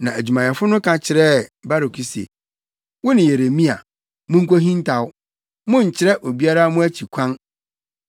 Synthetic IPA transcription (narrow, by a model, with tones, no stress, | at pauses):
nã˨æ˨d͡ʑᶣu˨mã˨jɛ˨fʊ˦nʊ̃˦kʰã˨t͡ɕʰɪ˨ɾɛ˦˨ba˦ɾo˨kʰi˦sḛ˨ | wʊ˦nɪ̃˨je˨ɾe˨mĩ˦a̰˨ | mʊ̃˦ŋ̩˦ko˦ɦĩ˦n˦tʰa˨wʊ˦ | mʊ̃˦ɲ̩˨t͡ɕʰɪ˦ɾɛ˦ʔo˨bi˦a˦ɾa˦mʊ̃˦æ˦t͡ɕʰi˨kʷʰã˦n